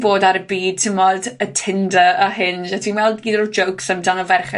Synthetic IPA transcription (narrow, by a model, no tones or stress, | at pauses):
boːdaɾəbiːd̚tʰɪmɔdətʰɪndəəɦɪnʒɛtʰinmɛlˠdɡiːdɔd͡ʒəwksəmdanɔvɛrχɛ